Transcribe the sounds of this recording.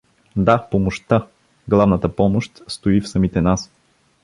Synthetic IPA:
d̪apomoʃt̪a | ɡlˠavnət̪əpɔmoʃt̪st̪oifsɐmit̪ɛnas

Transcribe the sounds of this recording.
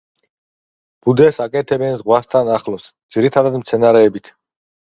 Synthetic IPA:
b̥ud̪ɛsakʼɛt̪ʰɛbɛnzʁwast̪ʰanaχlɔsd̪z̥iɾit̪ʰad̪ad̪mt̪sʰɛnaɾɛːbit̪ʰ

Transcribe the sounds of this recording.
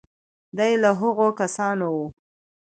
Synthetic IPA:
d̪ajlaɦʊɣokasɑnowu

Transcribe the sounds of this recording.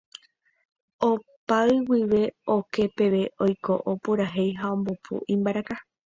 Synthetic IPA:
opaɨwiʋe̞o̞ke̞pe̞ʋe̞ʔo̞jko̞ʔopuɾaɦe̞jɦaõ̞mbopʰṵʔĩmbaɾaka

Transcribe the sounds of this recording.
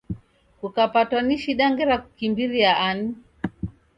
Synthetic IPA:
kukapatwaniʃiɗaŋɡɛɾaku̥kimbiɾiaʔani

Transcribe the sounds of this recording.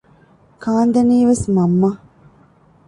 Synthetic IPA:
kaːnd̪ɐniːʋesmɐmːɐ

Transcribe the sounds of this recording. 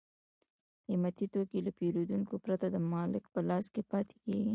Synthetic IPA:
imat̪it̪okelapeɾod̪uŋkopɾat̪ad̪əmɑlɪkpəlɑskepɑt̪ʰe̥keɡi

